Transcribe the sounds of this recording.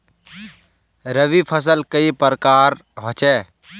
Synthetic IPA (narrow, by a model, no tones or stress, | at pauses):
ɾəʋiːpʰəs̬əlkəipəɾkaːɾ | ɦot͡ʃɛː